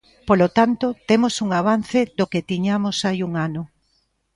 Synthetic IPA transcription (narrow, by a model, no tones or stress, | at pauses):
polot̪ant̪ot̪emosuŋaβ̞an̟θed̪oket̪iɲamosajuŋanʊ